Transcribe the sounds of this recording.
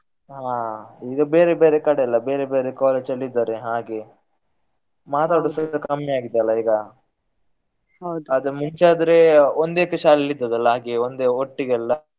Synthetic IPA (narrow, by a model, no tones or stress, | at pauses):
ɦaːiːɡɐbe̞ːɾebeːɾekɐɽeɐlːɐbeːɾebe̞ːɾekaːle̞ːd͡ʒɐlːid̪ːaːɾeɦaːɡe | maːt̪aːɽusɐd̪ɐkɐmjiaːɡid̪ːɐlːɐiːɡɐ | ɦɐwd̪ɐd̪ɐmuɲt͡ʃaːd̪ɐɾeond̪ekːɐʃaːllːid̪ːɐd̪ɐlːɐɦaːɡeond̪eoʈːiɡɐlːɐ